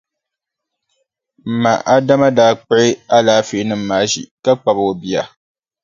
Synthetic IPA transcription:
m̩˨ma̰˨ʔa˦da˦ma˦daː˦k͡pʊ˦ʔɪ˦a˦laː˦fe˨˦nɨ˦m̩ː˦aː˨˦ʒḭ˨ka˦k͡pa˨bo˨bi˦a˨

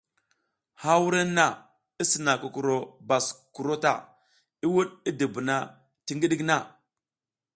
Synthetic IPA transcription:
ha˦wu˦ɾe˦na˨ | i˦si˨na˨ku˨ku˨ɾo˨ba˨sku˨ɾo˦ta̰˨ | i˦wu˦ɗi˦di˨bu˨na˦ | ti˦ŋɡi˦ɗi˦kna˦˨

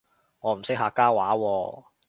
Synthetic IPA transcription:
ŋɔː˨˧m̩˨˩sɪ˥k̚haː˧kaː˥waː˨˥wɔː˧

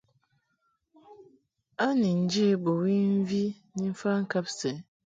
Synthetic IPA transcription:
a˦ni˨n̩˨˦d͡ʒe˦e˦bo˨wi˦n̩˦vi˦ | ni˦m̩˦fa˦ŋ̩˦ka˦pse˨

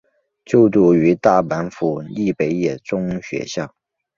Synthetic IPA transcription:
t͡ɕjo˥˧ʊt̪u˥˩y˧˥t̪a˥˩pa˧˥nfu˨˩li˥˩pe˧˥ɪjɛ˥˩t͡sʊ˥ŋɕɥɛ̰˧˥ɕjɑ˥˩ʊ

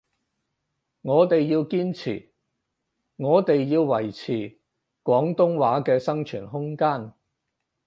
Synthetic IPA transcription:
ŋɔː˨˧t̪e˨jːiː˧wkiː˥nt͡sʰḭː˨˩ | ŋɔː˨˧t̪e˨jːiː˧wːɐ˨˩jt͡sʰiː˨˩ | kwɔː˨˥ŋt̪ʊ˥ŋwaː˨˥kɛː˧sɐ˥ŋt͡ʃʰyː˨˩nɦʊ˥ŋkaː˥n

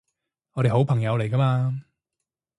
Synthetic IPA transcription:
ŋɔː˨˧ɾe˨jho˨˥wpʰɐ˨˩ŋjɐ˨˧wle˨˩jkɐ˥maː˧

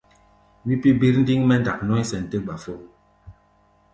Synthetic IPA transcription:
wi˦pi˦bi˦ɾn̩˦di˦ŋmɛ˦n˨da˨k̚nɔ˦sɛ˨n̩˨tə˦ɡ͡ba˨fo˦

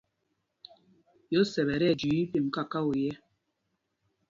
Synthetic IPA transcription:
jo˨˦sɛ˨βɛ˨ɾɛ˦˨d͡ʒi˨i˦pi˨m̩˨ka˦˨ka˦u˨jɛ˦

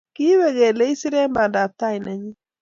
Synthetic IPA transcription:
ki˦we˦˨ɣe˨le˦i˦si˦ɾe˦mba˨nda˨p̚t̪a˦i˨na˨ɲi˦

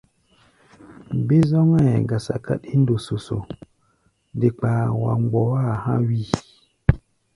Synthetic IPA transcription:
be˦zɔ˦ŋɛ˦˨ɡa˨sa̰˨ka̰˦ɗi˦n˦do˨so˨so̰˨ | nde˨k͡pa˨wa̰˨ŋ͡mɡ͡bɔ˨wa˦˨hã̰˦wi˦˨

